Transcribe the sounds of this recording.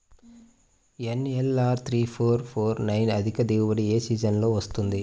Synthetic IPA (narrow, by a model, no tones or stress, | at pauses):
enelaːɾt̪ʰɾiːpʰoːɾpʰoːɾnɐjnɐd̪ʱikɐd̪iːʋɐɽieːsiːd͡ʒɐnlo̞ːʋɐst̪und̪i